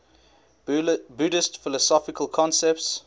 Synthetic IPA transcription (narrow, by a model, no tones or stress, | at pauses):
budɪstfɪləsɔfɪkʰəlˠkʰɔ̃nsɛp̚ts